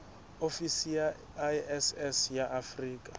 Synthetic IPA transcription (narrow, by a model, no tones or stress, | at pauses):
ofisija | ɛsɛsjaʔafriːkʼḁ